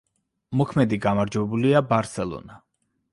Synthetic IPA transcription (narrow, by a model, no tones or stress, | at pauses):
mɔkʰmɛd̪iɡamaɾd͡ʒwɛbuliabaɾsɛlˠɔ̰na